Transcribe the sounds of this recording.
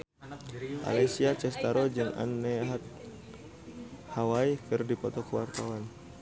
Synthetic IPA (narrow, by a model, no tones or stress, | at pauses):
ʔa̰lajsiat͡ʃɛst̪aɾɔd͡ʒɨŋa̰nːɛɦat̪̚ | hawaikɨrdipɔt̪ɔkəwart̪awan